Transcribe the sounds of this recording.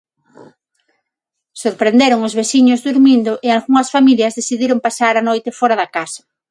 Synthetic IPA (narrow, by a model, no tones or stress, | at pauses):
soɾpɾend̪eɾʊŋʊzβesiɲʊzðuɾmind̪ʊʔealɣuŋɐsfamiljɐzðesiðiɾoŋpasaɾanojt̪efɔɾaðakasɐ̥